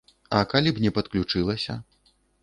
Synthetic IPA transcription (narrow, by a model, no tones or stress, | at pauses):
ɐkalʲibnʲɛpɐt̪klʲut͡ʂɨlˠɐsʲɐ̰